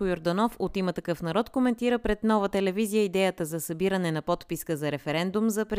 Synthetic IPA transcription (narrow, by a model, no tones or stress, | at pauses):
kʊjoɾd̪ɐnɔfot̪imət̪ɐkɤfnɐɾɔt̪komɛnt̪iɾəpɾɛd̪nɔvət̪ɛlɛvizijəid̪ɛjət̪əzɐsɐbiɾənɛnɐpɔt̪piskəzɐɾɛfɛɾɛnd̪umzɐpɾ